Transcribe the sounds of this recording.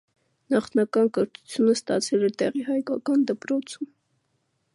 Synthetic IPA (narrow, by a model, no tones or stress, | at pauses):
nɑχnɑkɑnkəɾt̪u̥t͡sʰjunəst̪ɑ̰t͡sʰɛlɛt̪ɛʁiɦɑjkɑkɑnd̪əpɾɔt͡sʰum